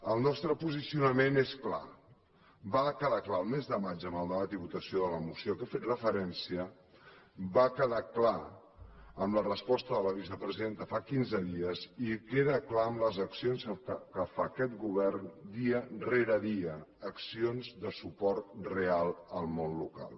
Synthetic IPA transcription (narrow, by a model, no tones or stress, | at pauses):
əlˠnɔst̪ɾəpuzisiunəmeneskla̰ | bakəðaklaəlˠmezðəmad͡ʒəməlˠd̪əmat̪iβut̪əsioðələmusjokefet̪rəfəɾɛnsiə | bakəðakla | əmlərəspɔst̪əðələβ̞is̬əpɾəziðent̪əfakinzəðiəzikeðəklaəmləzəksionsəəkəfakɛt̪ɡuβ̞ɛrnd̪iəreɾəðiəːksionzðəsupɔrt̪̚realˠəlˠmonluka̰lˠ